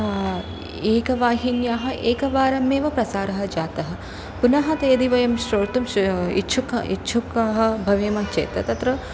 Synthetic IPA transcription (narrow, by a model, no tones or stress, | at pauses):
eːkɐʋaːɦinjaːɦɐ̆ʔeːkɐʋaːɾɐmeːʋɐpɾɐsaːɾɐɦɐd͡ʒaːt̪ɐɦɐ̆ | punɐɦɐt̪ɐjɐd̪iʋɐjɐmʃɾoːɾt̪umḭtːt͡ʃʰukɐ̰ḭt̪ːʃʰukaɦɐ̆bʱɐʋeːmɐnt͡ʃḛːt̪ɐt̪ɐt̪ɾɐ